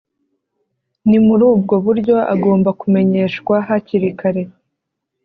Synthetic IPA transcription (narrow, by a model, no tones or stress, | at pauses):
nimuɾuːb̚ɡo̞βuɾɟo̞ʔa̰ɡo̞ːmbakume̞ɲe̞ːʃkwaɦaciɾikaɾe̞